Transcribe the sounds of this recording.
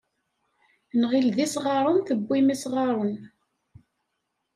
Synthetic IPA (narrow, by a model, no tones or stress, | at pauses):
nʁilðisʁɑɾˤʊnθəbʷːimisʁɑɾˤən